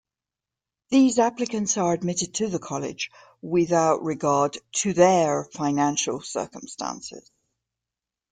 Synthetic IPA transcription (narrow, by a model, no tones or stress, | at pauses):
ðiːzaplɪkə̃ntsəɹədmɪtɪd̚tʰəðəkʰɒlˠɪ̰̥d͡ʒ | wɪðaʊʔɹɪɡɑːdtʰəðəfaɪnãnʃəlˠsɜ̰ˑ˞kə̃mstã̰nsɪ̰z̥